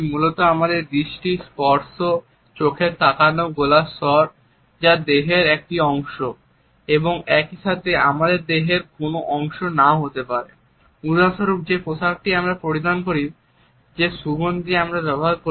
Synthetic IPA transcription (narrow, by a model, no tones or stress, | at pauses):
mulot̪oamad̪eɾd̪ɾiʃʈispɔɾso | t͡ɕokʰeɾt̪ʰakanoɡolasɔɾ | d͡ʑad̪eɦeɾek̚ʈiɔŋʃo | eboŋɛkiʃat̪ʰea̰mad̪eɾd̪eɦeɾkonoʔɔŋʃonaɦot̪epaɾe | uɾaʃoɾub̚d͡ʑeposak̚ʈiamɾapɾoɾid̪ankoɾi | d͡ʑeʃubond̪iamɾabɛboɦaɾko